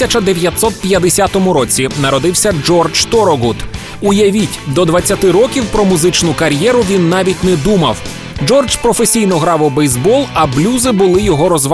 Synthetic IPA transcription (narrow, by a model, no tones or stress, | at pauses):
ɐt͡ʃɐd̪eʋʲjɐt̪sɔt̪̚pʲjɐd̪esʲat̪ɔmʊɾɔt͡sʲinɐɾɔd̪ɪwsʲɐd͡ʒɔrd͡ʒt̪ɔɾɔɡut̪ | ʊjɐʋʲitʲd̪ɔd̪ʋɐt͡sʲːɐt̪ɪɾɔkʲiwpɾɔmʊzɪt͡ʃnʊkɐɾʲjɛɾʊʋʲinːɑʋʲitʲnɛd̪umɐ̰w | d͡ʒɔrd͡ʒpɾɔfesʲijnɔɦɾɑʋɔbɛjzbɔlˠɐblʲuzɪbʊlˠɪjɔɦɔɾɔzʋ